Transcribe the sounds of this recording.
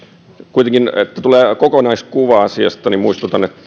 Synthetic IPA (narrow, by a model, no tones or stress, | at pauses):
kuit̪eŋkinet̪ːæt̪uleːkokonɑiskuʋɑɑsiɑ̰st̪ɑnimmuist̪ut̪ɑnet̪ː